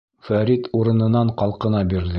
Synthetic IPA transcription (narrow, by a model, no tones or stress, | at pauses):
fæɾit̪uɾɤ̆nɤ̆nɑɴqɑlˠqɤ̆nɑbiɾðɘ